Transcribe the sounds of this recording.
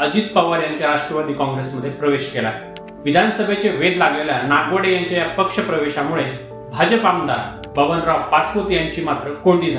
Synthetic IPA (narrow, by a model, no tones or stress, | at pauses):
əd͡ʑit̪pəʋəɾjãɲt͡ɕjaɾaʂʈɾəʋad̪ʱiːkɔ̃ŋɡɾesməd̪ʱːjepɾəʋeɕkela̰e | ʋid̪ʱansəbʱet͡ɕeʋed̪laɡleljanaɡʋəɽejaɲt͡ɕjajapəkʂəpɾəʋeɕamuɭe | bʱad͡ʑəpamnd̪a̰ | bəʋənɾapat͡spot̪ijãɲt͡ɕiːmat̪ɾəkoɳɖiːd͡zʱa